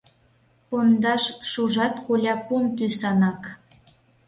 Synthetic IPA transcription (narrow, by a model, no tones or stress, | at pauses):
pond̪ɑʃʃuʒɑt̪kolʲɑpunt̪ysɑnɑk